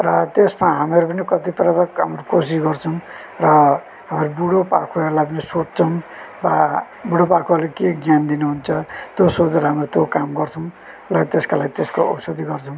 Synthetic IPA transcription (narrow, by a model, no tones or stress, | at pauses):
rʌt̪esmaɦamiʌɾupʌnikʌt̪iprabakɦamɾukos̬isɡʌrt͡sʰʌw̃ | rʌ | ɦamiɾubuɽopa̰kʰoeɾulajp̬ʌnisot͡st͡sʰʌw̃ | ba | buɽopakʰoʌrlekeɡjand̪inuɦunt͡sʰʌt̪josod͡zɾʌɦamrot̪jokamɡʌrt͡sʰʌw̃ | lʌt̪eskalaɡit̪eskoʌ̰wsod̪ʱiɡʌrt͡sʰʌw̃